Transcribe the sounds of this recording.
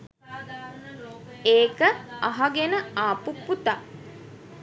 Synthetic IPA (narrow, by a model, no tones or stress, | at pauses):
eːkəaɦaɡenəaːpupːut̪a